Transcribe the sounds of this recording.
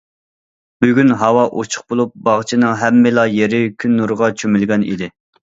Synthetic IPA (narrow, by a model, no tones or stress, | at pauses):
b̥yɡʲynɦɑwɑʔot͡ʃʰʊ̥χ̚bolˠup̚bɑʁt͡ʃʰinɨŋɦɛmːɪlˠɑjeɾɪkʲʰynːuɾʁɑt͡ʃʰømylɡʲɛnḭd̪ɪ